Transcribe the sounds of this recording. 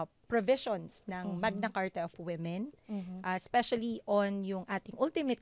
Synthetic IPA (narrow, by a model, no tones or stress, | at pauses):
pɹovɪʃonsnɐŋmɐɡ̚nɐkaɹt̪ɛʔofwɪmɛnʔaspɛʃɐliʔonjʊŋʔaːt̪ɪŋʔʊlt̪ɪmɛt̪